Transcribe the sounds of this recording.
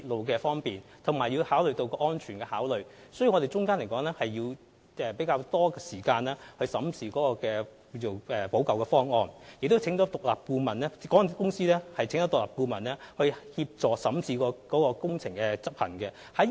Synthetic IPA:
i˧t̚lo˨˧wkɛː˧fɔː˥ŋpiː˨nt̪ʰʊ˨˩ŋmaː˨˩jiː˧haː˨˥wlɵ˨ɥt̪o˧wkɔː˧ʔɔː˥nt͡ʃʰyː˨˩nkɛː˧haː˨˥wlɵ˨ɥsjwŋɔ˨˧t̪e˨˩t͡ʃʊ˥ŋkaː˥nle˨˩jkɔː˨˥ŋlɛː˥hɐ˨jːiː˧w | ɛː˨˩pe˨˥jkaː˧wt̪ɔː˥kɛː˧siː˨˩kaː˧nlɛː˥hɵ˧ɥsɐ˨˥mt͡sʰiː˧kɔː˨˥kɔː˧kɛː˧ | jo˨˧ʔɛ˨po˨˥wkɐ˨wkɛː˧fɔː˥ŋɔː˧njɪ˨k̚t̪o˥wt͡sʰɪ˨˥ŋtɔː˨˥t̪ʊ˨k̚la̰ː˨p̚kuː˧mɐ˨˩nlɛː˥kɔː˨˥ŋ˥˨nʰ˨˥kʊ˥ŋsiː˥lɛː˥hɐ˨jt͡sʰŋɔ˨˥t̪klaː˨p̚kuː˧mɐ˨˩nlɛː˥hɵ˧ɥhiː˧p̚t͡sɔː˨ksɐ˨˥mt͡sʰiː˧kɔː˧kɔː˨˥kɔː˧kʊ˥ŋt͡sʰɪ˨˩ŋkɛ˧t͡sɐ˥p̚pʰɐ̰˨˩nkɛ˧ | hɐ˨˥

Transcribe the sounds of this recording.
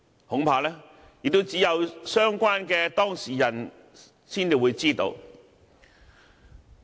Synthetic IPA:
hʊ˨˥ŋpʰaː˧lɛː˥ | jɪ˨k̚t̪o˥t͡siː˨˥jɐ˨˧wsœː˥ŋkʷaː˥nkɛː˧t̪ɔː˥ŋsiː˨˩jɐ˨˩n | siː˥nt͡si˨˧˩wuː˨˧jt͡siː˥t̪o̰˧w

